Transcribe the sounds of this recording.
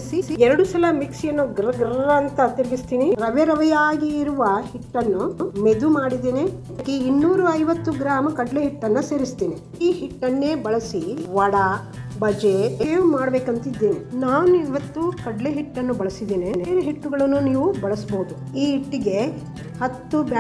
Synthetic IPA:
sisiɛɾɐɽusɐlɐmiksjɐnːuɡɾɐɡɾɐɾɐːnt̪ɐt̪iɾiɡist̪iːniɾɐʋɛɾɐʋɐjaːɡiːɾuʋɐhiʈːɐnːumed̪umaːɽid̪eːniɐɐkːeinːuːɾuɐjʋɐt̪ːuɡɾaːmɐkɐɖleɦiʈːɐnːuse̞ːɾist̪iːni | iːhiʈːɐnːeːbɐɭɐsiʋɐɽɐ | bɐd͡ʒeeːumaːɽɐbeːkɐnt̪ɐid̪ːeːninaːʋuniʋɐt̪ːukɐɖleɦiʈːɐnːubɐɭɐsid̪eːniːneɾuɦiʈːuɡɐɭɐnːuniːʋubɐɭɐsboːud̪u | iːiʈːiɡe̞ | hɐt̪ːub

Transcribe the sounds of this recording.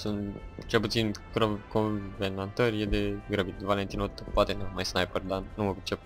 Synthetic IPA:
sunt̪t͡ʃe̞lput̪sinkɾokovenant̪ərʲjed̪eɡɾəbit̪valent̪inot̪pːat̪enemajsnajpərd̪anuməpet͡ʃep̚

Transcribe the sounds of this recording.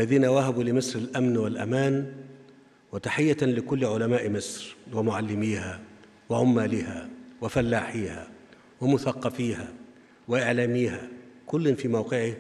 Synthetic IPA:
ʔalːaðiːnawaɦabuːlɪmɪsɾɪlʔamnwɪlʔa̰maːn | wɪt̪aħɪjːalɪkʊlːʕʊlamaːʔmɪsɾwɪmʊʕalːɪmiːha | wɪʕʊmːaːlɪhawɪfalːaːħiːha̰ | wɪmʊθɑqːɑfiːha | wɪʔɪʕlaːmiːhakʊlːɪnfiːmawqɪʕɪ

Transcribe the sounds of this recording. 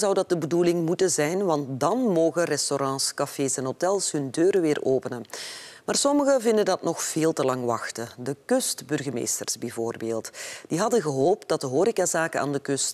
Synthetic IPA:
zʌwdɑt̚dəbədulɪŋmutənzɛjnʋɑnt̚dɑnmoːɣərɛstoɾɑ̃ːskɑfeːsɛnɦotɛlˠsɦɵndøːɾəʋɪːroːpənənmaːrsɔməɣəvɪndədɑtnɔxv̥eːlˠtəlɑŋʋɑxtədəkʏstbɵrɣəmḛːjstə̰rzbɛjvoːrbeːlˠtd̥iɦɑdəɣəɦoːp̚t̚dɑt̚dəɦoːɾikazaːkəna̰ːndəkɵst

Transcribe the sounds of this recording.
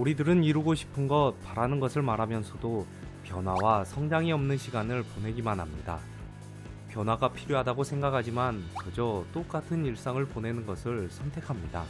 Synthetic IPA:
uɾidɯɾɯniɾɯɡoɕʰi̥pʰɯnɡʌt̚paɾanɯnɡʌsʰɯɭmaɾɦamjʌnsʰʌdo | pjʌnwawasʰʌŋd͡ʑaŋiʌmnɯnɕʰiɡanɯɭpone̞ɡimanɦamɲida̰ | pjʌnwaɡapʰiɾjoɦadaɡosʰe̞ŋɡakʰad͡ʑimankʌd͡ʑʌt͈ok͈atʰɯniɭs͈aŋɯɭpone̞nɯnɡʌsʰɯɭsʰʌntʰe̞kʰamɲida̰

